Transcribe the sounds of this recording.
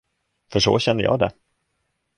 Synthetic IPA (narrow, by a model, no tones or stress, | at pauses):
fœʂo̰ːɕɛnd̪əjɑ̰ːd̪ɛ̰